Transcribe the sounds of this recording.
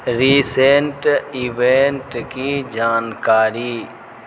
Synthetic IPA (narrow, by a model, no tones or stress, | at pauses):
ɾiːseɳʈiʋeɳʈkid͡ʒaːnkaːɾiː